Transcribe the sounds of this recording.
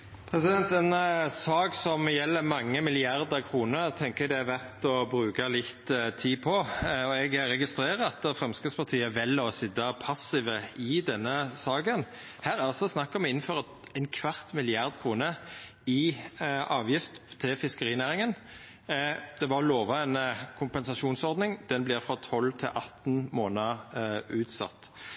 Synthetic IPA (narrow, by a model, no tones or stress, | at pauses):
pʰɾɛsɪd̪ɛnt̪ɛnsɑːksɔmjɛlːəmɑŋːəmɪlɪɑɾd̪əɾkʰʁuːnəɾt̪ʰɛŋkəɛd̪ɛæɾʋæʁt̪ɔbɾʉːkəlɪt̪ːt̪ʰiːpʰɔɔɛɡɾɛɡɪst̪ɾeːɾəɑt̪fɾɛmskəspɑʁt̪ʰiːəʋɛlːɔsɪd̪ːɑpʰɑsɪʋəɪd̪ɛnːəsɑːɡən | hæːɾɑlsɔsnɑkːəɔmɛɪnn̩føːɾə | ɛɪnkʰʋɑʁt̪mɪlɪɑʁd̪kʰʁuːnə | ɪʔɑːʋjɪft̪t̪ʰːɪfɪskəʁiːnæːɾɪŋən | d̪̥ɛʋɑɔloːʋɑɛnkʰʊmpɛnsɑʃuːnsɔʁd̪nɪŋd̪ɛnblɪʁfʁɔt̪ʰɔlt̪ʰɪ̰lʔɑt̪ːn̩moːnəʉːt̪sɑ̰t̪ː